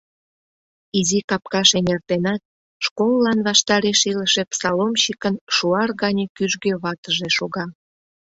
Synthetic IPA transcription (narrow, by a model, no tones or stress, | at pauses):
izikɑp̚kɑʃenert̪enɑt̪̚ | ʃkolːɑnβɑʃt̪ɑɾeʃiləʃepsɑlomɕikənʃuɑrɣɑnʲəkyʒɡøβɑt̪əʒeʃoɣɑ